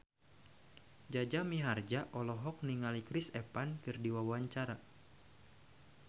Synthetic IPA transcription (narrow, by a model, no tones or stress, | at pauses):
d͡ʒad͡ʒamiɦard͡ʒaʔɔlɔɦɔk̚niŋalikɾisɛpankɨrdiwawaɲt͡ʃaɾa